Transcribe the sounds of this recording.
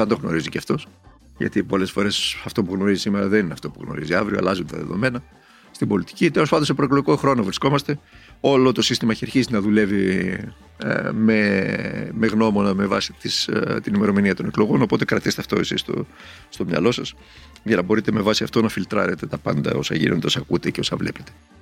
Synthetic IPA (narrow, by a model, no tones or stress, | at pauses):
θɐnt̪o̞ɣno̞̰ɾiziceɐft̪o̞s | ʝɐ̰t̪ipo̞le̞sfo̞ɾe̞sɐft̪o̞puɣno̞ɾizisime̞ɾɐðe̞nineɐft̪o̞puɣno̞̰ɾḭziɐvɾioɐ̰lɐzunet̪ɐ̰ðe̞̰ðo̰me̞nɐ | st̪ibo̞lit̪i̥cit̪elospɐnd̪osepɾoekloʝikoxɾo̞novɾisko̞mɐst̪e̞ | o̞lo̞t̪o̞sist̪imɐçeɾçizinɐðule̞vi | me | me̞ɣno̞mo̞nɐme̞vɐ̰si̥t̪ist̪inime̞ɾo̞miniɐt̪o̞ne̞klo̞ɣo̞no̞po̞t̪e̞kɾɐt̪ise̥t̪ɐft̪o̞esist̪o̰ | st̪o̞mɲɐ̰lo̞sɐs | ʝɐnɐbo̞ɾit̪eme̞vɐsiɐft̪o̞nɐfilt̪ɾɐ̰ɾe̞t̪e̞t̪ɐpɐnd̪ɐ̰o̞sɐ̰ʝḭnʔond̪eosɐkṵt̪e̞ceo̞sɐvle̞̰pe̞̥t̪e̞̥